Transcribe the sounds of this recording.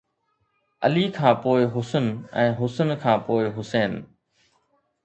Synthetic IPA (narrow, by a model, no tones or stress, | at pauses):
ɐ̰liːkʰãːpoːɪɦʊsənɛ̰̃ːɦʊsənkʰãːpoːɪɦʊseːn